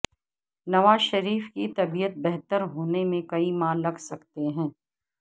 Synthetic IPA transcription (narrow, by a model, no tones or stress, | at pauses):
nɐʋaːzʃɐɾiːfkit̪ɐbijət̪̚bɛɦt̪əɾɦoːnemẽkɐimaːnlɐɡʱsɐkt̪eɦɛ̃ː